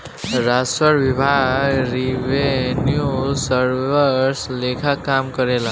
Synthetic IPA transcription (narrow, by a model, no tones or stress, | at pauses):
ɾasəɾbibʱaɡɾibenjusəɾbəɾslekʰakamkʌɾel